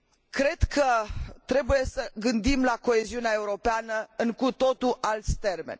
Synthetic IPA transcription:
kɾe̞d̪kʰət̪ɾe̞buje̞səɡɨnd̪imlako̞e̞ziuneae̞uɾo̞peanəɨŋkut̪o̞t̪uʔalt̪sʲt̪e̞rmḛnʲ

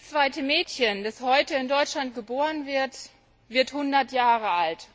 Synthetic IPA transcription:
st͡sv̥aɪtəmɛːtçənd̥ashɔʏtəɪndɔʏt͡ʃlant̚ɡ̥əboːʁənvɪɐt | vɪɐthʊndɐtjaːʁəʔalt

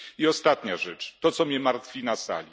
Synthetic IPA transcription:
iɔst̪at̪ɲaʐɛt͡ʂt̪ɔt̪sɔmʲɲɛmaɾt̪fʲinasa̰lʲi

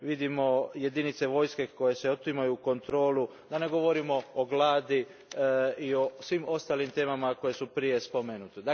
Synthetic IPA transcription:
ʋid̪imo̞jed̪init̪se̞ʋo̞ːjske̞ko̞je̞seot̪imajuko̞nt̪ɾo̞ːlu | d̪ane̞ɡo̞ʋo̞ɾimo̞ːɡlaːd̪i | iosʋimo̞st̪aːlimt̪e̞ːmamako̞je̞supɾije̞spomenut̪ed̪a

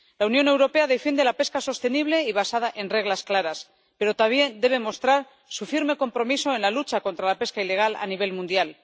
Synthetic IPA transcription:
launjo̞ne̞wɾo̞pe̞aðe̞fje̞nd̪elape̞skaso̞st̪e̞niβ̞le̞iβ̞asað̞aʔe̞nre̞ɣ̞lasklaɾas | pe̞ɾo̞t̪aβje̞nd̪e̞β̞e̞mo̞st̪ɾaɾ | sufiɾme̞ko̞mpɾo̞miso̞e̞nlalut͡ʃako̞nt̪ɾalape̞skaile̞ɣ̞ala̰niβe̞lmũnd̪jal

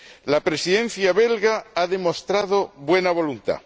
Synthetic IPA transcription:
lapɾe̞siðẽ̞n̟θjaβe̞lɣaaðe̞mo̞st̪ɾaðoβwe̞naβ̞o̞lunt̪a̰

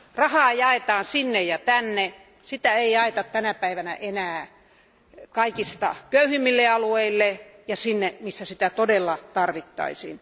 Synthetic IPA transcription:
rɑhɑːjɑet̪ɑːnsinːejɑt̪ænːe | sit̪æeijɑet̪ɑt̪t̪ænæpæiʋænæ̰ʔenæː | kɑikist̪ɑ̰køyhimːilːeɑlueilːejɑsinːemisːæsit̪æt̪odelːɑt̪ɑrʋit̪ːɑ̰isḭːn

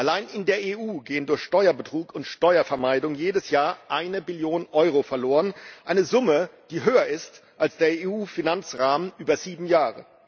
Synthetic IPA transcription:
ʔalaɪnɪndeːɐeːʔuːɡeːəndʊɐçʃtɔʏɐbətʁ̥uːkʊntʃtɔʏɐfɛɐmaɪdʊŋjeːdəsjaːɐʔaɪnəbɪljoːnʔɔʏʁofɛɐloːʁənʔaɪnəzʊməd̥iːɦøːɐɪstʔalsd̥eːɐeuːfinant͡sʁaːmənʔyːbɐziːbm̩jaːʁə̰

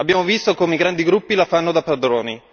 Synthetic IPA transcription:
abːjaːmovist̪okoːmeiɡɾand̪iɡɾupːilafanːod̪apːɾad̪ɾoːni

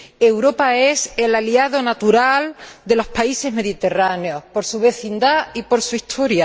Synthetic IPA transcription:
e̞wɾo̞pae̞se̞laliaðo̞nat̪uɾald̪e̞lo̞spaise̞ɦme̞ðit̪e̞raneo̞hpo̞ɾsuβ̞e̞θind̪aipo̞ɾsuiht̪ʰo̞ɾja

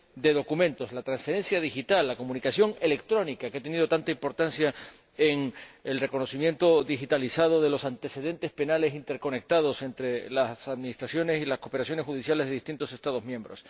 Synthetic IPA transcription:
d̪e̞ðo̞kumẽ̞nt̪o̞slat̪ɾansfe̞ɾe̞nsjað̞ixit̪alːako̞mũnikasjo̞ŋe̞le̞kt̪ɾo̞nikakeat̪e̞niðo̞t̪ant̪aimpo̞ɾt̪ansja | eŋelreko̞no̞simjẽ̞nt̪o̞ðixit̪alisað̞o̞ðe̞lo̞sant̪ese̞ðe̞nt̪e̞spe̞nale̞s̬int̪e̞ɾko̞nek̚t̪að̞o̞se̞nt̪ɾe̞lasaðminist̪ɾasjo̞ne̞silasko̞pe̞ɾasjo̞nexuðisjalezðe̞ðist̪int̪o̞se̞st̪að̞o̞zmjẽ̞mbɾo̞s

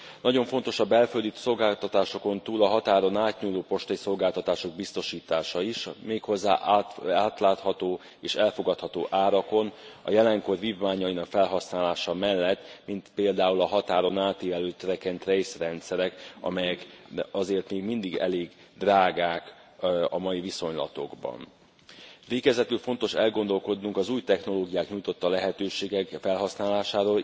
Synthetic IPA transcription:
nɒɟo̞ɱfo̞nt̪o̞ʃɒbːɛlføld̪yt̪so̞lɡaːlt̪ɒt̪aːʃo̞ko̞nt̪uːlɒɦɒt̪aːɾo̞naːt̪ɲuːloːpo̞ʃt̪ɒjiso̞lɡaːlt̪ɒt̪aːʃo̞ɡ̚bist̪o̞ʃiːt̪aːʃɒiʃmeːkho̞zːa̰ːʔaaːt̪laːt̪hɒt̪oː | eːʃɛlfo̞ɡɒt̪hɒt̪o̰ːʔaːɾɒko̞nɒ̰jɛlɛŋko̞rviːvmaːɲɒjinɒkfɛlɦɒsnaːlaːʃɒmɛlːɛt̪ːmint̪peːld̪aːulɒɦɒt̪aːɾo̞naːt̪eːvɛløːt̪ːøɾɛkɛnt̪rejsrɛnt̪sɛɾɛkɒ̰mɛjɛkɒzeːrt̪meːɡmind̪iɡɛ̰leːɡ | d̪raːɡaːk | ɒmɒjiviso̞ɲlɒ̰t̪o̞̰ɡbɒ̰n | veːɡɛzɛt̪ylfo̞nt̪o̞ʃɛlɡo̞nd̪o̞lko̞d̪nuŋkɒzuːjt̪ɛxno̞loːɡijaːkɲujt̪o̞t̪ːɒlɛɦɛt̪øːʃeːɡɛkfɛlɦɒsnaːlaːʃaːɾoːl

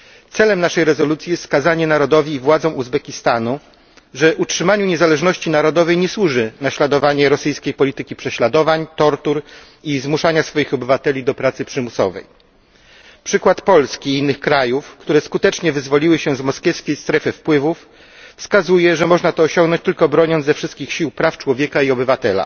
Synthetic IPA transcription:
t̪sɛlɛmnaʂɛjɾɛzɔlut̪sʲjijɛst̪skazaɲɛnaɾɔd̪ɔvʲiːvwad̪zɔ̃w̃uzbɛkʲist̪anu | ʐɛutʂɘmaɲuɲɛzalɛʐnɔɕt͡ɕinaɾɔd̪ɔvɛjɲɛswuʐɘnaɕlad̪ɔvaɲɛɾɔsɘjskʲejpɔlʲit̪ɘkʲipʂɛɕlad̪ɔvaɲt̪ɔɾt̪uɾ | izmuʂaɲasfɔjixɔbɘvat̪ɛlʲid̪ɔpɾat̪sɘpʂɘmusɔ̰vɛ̰j | pʂɘkwat̪pɔlskʲiinːɘxkɾajufkt̪uɾɛskut̪ɛt͡ʂɲɛvɘzvɔlʲiwɘɕɛzmɔskʲjɛfskʲejst̪ɾɛfɘfpwɘvuf | fskazujɛʐɛmɔʐnat̪ɔːɕɔŋɡnɔɲt͡ɕt̪ɘlkɔbɾɔɲɔnzɛfʂɘst̪̚kʲixɕiwpɾaft͡ʂwɔvʲjɛkaiɔbɘvat̪ɛla̰

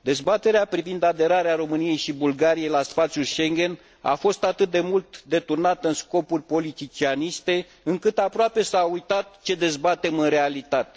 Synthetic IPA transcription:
d̪e̞zbat̪e̞ɾeapɾivind̪ad̪e̞ɾaɾeaɾo̞mɨnije̞jʃibulɡaɾijejlasfat̪sjuʃe̞ŋɡʲe̞n | a̰fo̞st̪at̪ɨt̪̚d̪e̞mult̪d̪e̞t̪urnat̪əɨnsko̞purʲpo̞lit̪it͡ʃianist̪e̞ | ɨŋkɨt̪apɾoape̞saujt̪at̪̚t͡ʃe̞d̪e̞zbat̪e̞mɨnre̞alit̪at̪e̞

